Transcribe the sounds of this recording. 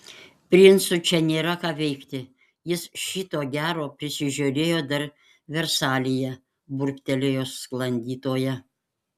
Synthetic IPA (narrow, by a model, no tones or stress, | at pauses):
pʲɾʲɪnsʊt͡ʃʲɛnʲeːɾɐkɑːʋʲɛɪkt̪ʲɪ | jɪsʃʲit̪oːɡʲæːɾoːpʲɾʲɪsʲɪʒʲoːɾʲeːjoːd̪ɐɾ | ʋʲɛɾsɑːlʲɪjɛ | bʊɾkt̪ʲɛlʲejoːsklˠɐnʲd̪ʲiːt̪oːjɛ